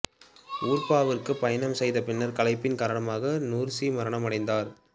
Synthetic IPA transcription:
uːɾpaːʋɪrkɯpːɐjɐnɐmsɛjðɐpɪnːɐɾkɐlɐɪpːɪnkaːɾɐɳɐmaːɣɐnuːɾsimɐɾɐɳɐmɐɽɐɪnd̪aːɾ

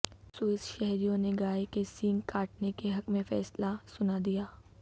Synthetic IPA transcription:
suɪsʃɛɦɾijõneɡaːikesĩːŋkaːʈnekeɦɐkmẽfɛ̰ːslasʊnad̪ijaː

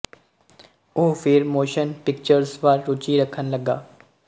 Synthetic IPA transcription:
uːfɪɾmoːʃənpɪk̚t͡ʃəɾsʋaːɾɾʊt͡ʃiɾəkʰənləɡaː

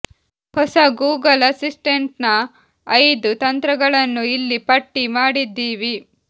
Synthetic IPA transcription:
hɔsɐɡuːɡɐlɐsisʈeɳʈnɐː | jd̪ut̪ɐnt̪ɾɐɡɐɭɐnːuilːipɐʈːimaːɽid̪ːiːʋi

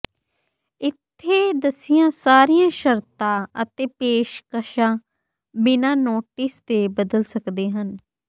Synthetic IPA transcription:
ɪt̪ʰːeːd̪əsɪjãːsaːɾijãːʃəɾt̪ãːət̪eːpeːʃkəʃãː | bɪnãːnoːʈɪːst̪eːbəd̪əlsəkd̪eːɦən

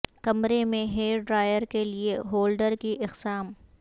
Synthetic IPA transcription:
kɐmɾemẽɦeːɖɾaːjəɾkelieɦoːlɖəɾkiʔɪqsaːm

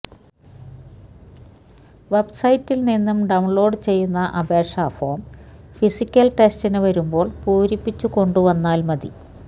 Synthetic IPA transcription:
ʋe̞bsɐjitːilninːɐmɖɐwuɳlo̞ːɖt͡ɕe̞jːunːɐʔɐbe̞ːʂaːfoːmfisikʲːɐlʈe̞stinɨʋɐɾumbo̞ːɭpuːɾipːit͡ɕːuko̞ɳɖuʋɐnːaːlmɐðḭ

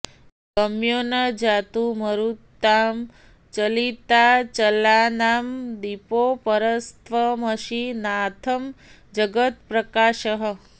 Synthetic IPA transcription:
ɡəmjonɐd͡ʒat̪uməɾut̪ːam | t͡ʃəlit̪at͡ʃəlaːnamd̪ipopəɾəst̪ʰʋəməʃinat̪ʰəm | d͡ʒəɡət̪̚pɾɐkaːʃəɦə

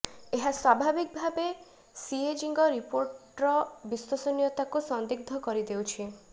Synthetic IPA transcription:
eɦaswabʱabik̚bʱabe | sied͡ʒiŋɡɔɾipoɾʈɾɔbisosɔnijɔt̪akusɔnd̪iɡ̚d̪ʱɔkɔɾid̪ewt͡ʃʰi

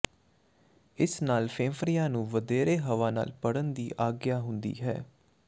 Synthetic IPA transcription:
ɪsnaːlpʰẽːfɾijãːnũːʋəd̪eːɾeːɦəʋaːna̰ːlpəɽənd̪iːʔaːɡjaːɦʊnd̪ḭːɦɛ̰ː

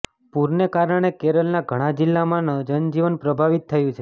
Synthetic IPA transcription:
puɾnekaɾəɽ̃ekeɾəlnaɡʱəɽ̃ãd͡ʒilːamãnəd͡ʒənd͡ʒiʋənpɾəbʱaʋit̪ʰːəjũt͡ʃʰe

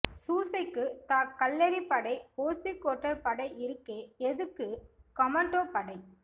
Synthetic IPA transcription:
suːsɐɪkːɯt̪aːkːɐlːɐɾipɐɽɐɪpoːsikːoːʈːɐɾpɐɽɐɪɪɾɯkːeːɛðɯkːɯkɐmɐɳɖoːpɐɽɐɪ

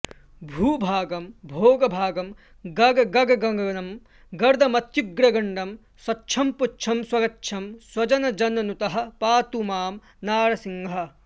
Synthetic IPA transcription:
bʱuːbʱaːɡɐmbʱoːɡɐbʱaːɡɐm | ɡɐɡɐɡɐɡɐɡɐŋɡɐnɐm | ɡɐɾd̪ʱɐmɐt̪juɡɾɐɡɐɳɖɐm | swɐtːʃʰɐmputːt͡ʃʰɐmswɐɡɐtːʃʰɐmswɐd͡ʒɐnɐd͡ʒɐnɐnut̪ɐɦɐ̆paːt̪umaːm | naːɾɐsiŋɡɦɐ̆

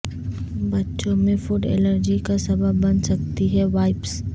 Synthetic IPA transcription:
bɐtːʃõmẽfuɖɛ̰ːləɾd͡ʒikasɐbəbːɐnsɐk̚t̪iɦɛʋaːɪps

